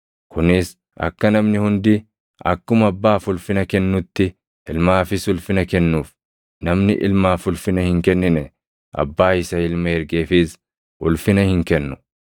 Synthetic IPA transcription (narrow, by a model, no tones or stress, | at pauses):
kʊnɪs | ɐ̰kːɐnɐmnɪhʊnd̪ɪ | ɐ̰kːʊmɐbːaːfʊlfɪnɐkɛnːʊt̪ːɪ | ɪlmaːfɪsʊlfɪnɐkɛnːuːf | nɐmnɪ̰ʔɪ̰lmaːfʊlfɪnɐhɪŋkɛnːɪnɛ | ʔɐ̰bːaːɪsɐɪlmɐɛɾɡeːfɪs | ʔʊlfɪnɐhɪŋkɛnːʊ